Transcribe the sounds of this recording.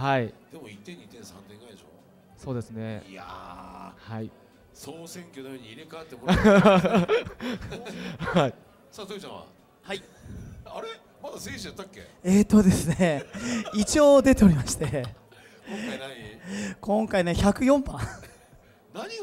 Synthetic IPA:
haid̪̥e̞mo̞it̪ːẽɲ̟ːit̪ẽ̞ñsãnt̪ẽŋɡaid̪eɕo̰ | so̞ːd̪e̞sɨne̞̰ja | hai | soːsẽ̞ŋkʲonooɲ̟iːɾekaet̪ːeko | hai | saːsoed͡ʑã̰βa̰ | hai | aɾe | mad̪aseɕiat̪ːakʲːḛ | eːt̪ːo̞d̪e̞sɨneit͡ɕioːd̪e̞t̪e̞oɾʲimaɕi̥t̪e̞ | kʰõ̞ŋkaine̞çakɯ̟jõ̞mpã | naɲi

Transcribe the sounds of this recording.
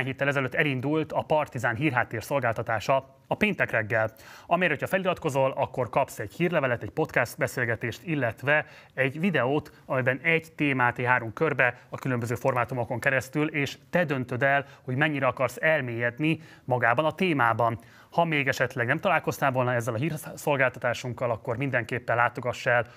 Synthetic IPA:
aɲɦeːt̪ːɛlɛzɛløt̪ːɛlind̪ult̪ɒpɒrt̪izaːnɦiːrɦaːt̪ːeːrso̞lɡaːlt̪ɒt̪aːʃɒ | ɒpeːnt̪ɛkrɛɡːɛlɒmeːɾho̞cʰɒfɛlilɒt̪ko̞zo̞lɒkːo̞rkɒpsɛɟhiːrlɛvɛlɛt̪ɛɟpo̞t̪kɛst̪̚bɛseːlɡɛt̪eːʃt̪ilːɛt̪ʋɛ | ɛɟvid̪ɛoːt̪ | ɒmɛbɛnɛɟt̪eːmaːt̪eɦaːɾomkørbɛɒkylø̞mbøzøːfo̞rmaːt̪umo̞ko̞ŋkɛɾɛst̪yleːʃt̪ɛd̪ø̞nt̪ø̞d̪ɛlho̞ɟmɛɲːiɾɛɒkɒrsɛlmeːjɛd̪ni | mɒɡaːbɒnɒt̪eːmaːbɒn | hɒmeːɡɛʃɛt̪lɛɡnɛmt̪ɒlaːlko̞st̪aːlvo̞lnɒɛzːɛlɒɦiːrso̞lɡaːlt̪ɒt̪aːʃuŋkːɒlɒkːo̞rmind̪ɛŋkeːpːɛnlaːt̪o̞ɡɒʃːɛl

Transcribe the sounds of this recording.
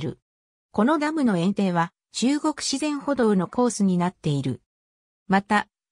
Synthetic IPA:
ɾɯ̟̰ | ko̞no̞ɡ̪amɯ̟no̞ẽ̞nt̪e̞ːβa | d͡ʑɨːɡo̞kɯ̥ɕizẽ̞ɰ̃ho̞d̪o̞ɯ̟no̞ko̞ːsɨɲ̟inat̪ːe̞iɾɯ̟̰ | mat̪a

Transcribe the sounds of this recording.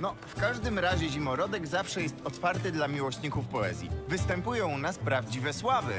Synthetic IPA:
nɔfkaʐd̪ɘmɾaʑɛʑimɔɾɔd̪ɛɡzafʂɛjɛst̪ɔt̪faɾt̪ɘd̪lamʲiwɔɕɲikufpɔɛ̰zʲjḭvɘst̪ɛmpujɔ̃w̃naspɾavd͡ʑivɛswavɘ̰

